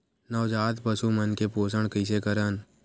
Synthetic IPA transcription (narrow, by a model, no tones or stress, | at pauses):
nəʋd͡ʒaːt̪pəsumənkepoːsəɽ̃kəɪs̬ekəɾən